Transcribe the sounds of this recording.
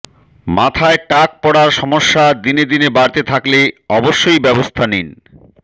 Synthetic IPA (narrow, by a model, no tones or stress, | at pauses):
mat̪ʰaeʈak̚pɔɽaɾʃɔmoʃːad̪ined̪inebaɾt̪et̪ʰakleɔboʃːojbɛbost̪ʰanin